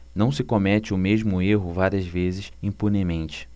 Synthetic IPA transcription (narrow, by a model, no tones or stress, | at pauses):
nɐ̃w̃sɪkomɛt͡ʃɪʊmeʒmʊeɦʊvaɾiɐzvezɪʃĩpunemẽnt͡ʃɪ̥